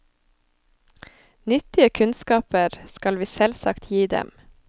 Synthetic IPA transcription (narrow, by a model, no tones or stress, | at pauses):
nʏt̪ɪəkʰʉnskɑːpəɾskɑlʋiːsɛlsɑ̰kt̪ʰjiːd̪ɛ̰m